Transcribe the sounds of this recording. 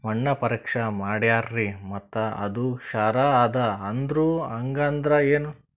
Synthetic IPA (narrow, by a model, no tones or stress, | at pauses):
mɐɳːɐpɐɾɐkʂɐmaːɽjaːɾɾimɐt̪ːɐɐ̰d̪uʃaːɾaaːd̪ɐɐnd̪ɾuːɐŋɡaːnd̪ɾɐeːnu